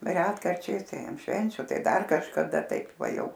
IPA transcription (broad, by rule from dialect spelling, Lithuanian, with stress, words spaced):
ˈrʲæːtkɐrʲt͡ʃʲɛɪs tɐɪ ɐn ˈʃʲʋʲɛnʲt͡ʃʲʊ ˈtɐɪ ˈdɐr kɐʃkɐˈdɐ ˈtɐɪp ˈʋɐ ˈjɛʊ